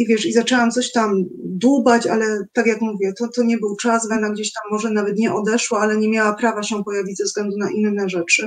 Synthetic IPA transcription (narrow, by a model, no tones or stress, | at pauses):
ivʲjɛʂizat͡ʂɛwamt̪sɔɕt̪amd̪ubat͡ɕa̰lɛt̪akʲjakmuvʲjɛt̪ɔt̪ɔɲɛbɘwt͡ʂasvɛnaɡd͡ʑeɕt̪amːɔʐɛnavɛt̪ɲɛʔɔd̪ɛʂwaalɛɲɛmʲjawapɾavaɕɛpɔjavʲid͡ʑzɛvzɡlɛnd̪unaʔinːɛʐɛt͡ʂɘ